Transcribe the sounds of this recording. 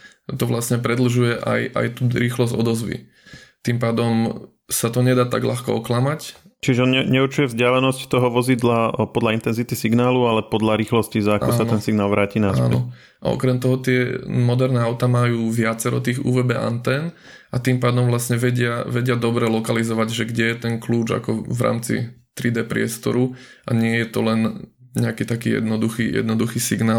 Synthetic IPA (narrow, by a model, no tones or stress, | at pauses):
t̪ɔʋlasɲɛpɾɛd̪l̩ʒujɛʔa̰jʔa̰jt̪uːɾiːxlɔzɔd̪ɔzʋḭ | t̪impaːd̪ɔm | sat̪ɔɲɛd̪aːt̪a̰ɡla̰xkɔ̰ɔklamact͡ʃiʒɛɔnɲɛɲɛurt͡ʃujɛvzɟɪalɛnɔsct̪ɔɦɔʋɔzid̪lapɔd̪laint̪ɛnzit̪isiɡnaːlualɛpɔd̪laɾiːxlɔscizaakɔsat̪ɛnsiɡnaːlˠʋɾaːcinasapːnɛɔ | ʔa̰ɔ̰kɾɛmt̪ɔɦɔt̪ɪɛmɔd̪ɛɾnɛːaʊt̪amajuːʋɪat͡sɛɾɔ̰t̪iːɣṵːʋɛbɛʔa̰nt̪ɛːn | at̪impaːd̪ɔmvlasɲɛʋɛɟɪaʋɛɟɪad̪ɔbɾɛlɔkalizɔʋaɟʒɛɡɟɛjɛt̪ɛŋkluːd͡ʒa̰kɔvɾa̰ːmt͡sḭt̪ɾid̪ɛːpɾɪɛst̪ɔ̰ɾu | ʔa̰ɲɪɛjɛt̪ɔlɛn | ɲɛakiːt̪akiːjɛ̰d̪nɔd̪uxijɛ̰d̪nɔd̪uxiːsiɡnaːl